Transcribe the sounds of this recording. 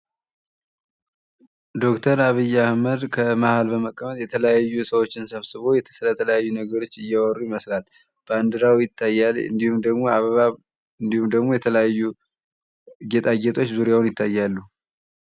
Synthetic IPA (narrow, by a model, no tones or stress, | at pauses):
d̪o̞kt̪ʰəɾaβɨjːahməd̪kʰəmahalbəməkʼːəmət̪jɛt̪ʰələjajːusəwo̞t͡ʃːɪnsəβsɨβo̞jɛt̪ʰə̥sɨlət̪ʰələjajːunəɡəɾo̞t͡ʃːɨjːawɔɾujiməslal | b̥and̪ɨɾawjɪt̪ʰːajːalɨ̰nd̪ihumd̪əɡmo̞aβəβa | ɨnd̪ihumd̪əɡmojɛt̪ʰələjajːu | ɡet̪ʼaɡet̪ʼo̞t͡ʃːzuɾjawnjɪt̪ʰːajːalːu